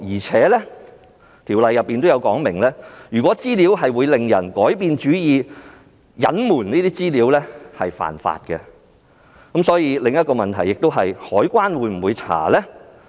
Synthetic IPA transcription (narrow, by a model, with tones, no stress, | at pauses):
jiː˨˩t͡sʰɛː˨˥lɛ˥ | t̪ʰiː˨˩wlɐ˨˧jːɐ˨pːiː˨nt̪o˥wjɐ˨˧wkɔː˨˥ŋmɪ˨˩ŋlɛː˥jyː˨˩kʷwɔː˨˥t͡siː˥li˨˥wɦɐ˨jwuː˨˧jle˨ŋjɐ̰˨˩nkɔː˨˥jpiː˨nt͡ʃyː˨˥jiː˨˧ | jɐ˨˥nmuː˨˩nniː˥t̪iː˥t͡siː˥liː˨˥wlɛ˥hɐ˨jfa̰ː˨˩nfa̰ː˧t̚kɛ˧ | kɐ˨˥msɔː˨˥jiː˧lɪ˨ŋjɐ˥t̚kɔː˧mɐ˨nt̪ʰɐ˨˩jːɪ˨k̚t̪o˥wɦɐ˨jhɔː˨˥jkʷaː˥nwuː˨˧˥jm̩˨˩wuː˨˧jt͡sʰa̰ː˨˩lɛː˥